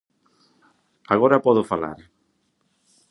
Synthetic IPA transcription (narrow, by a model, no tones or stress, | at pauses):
aɣɔɾapɔðʊfala̰ɾ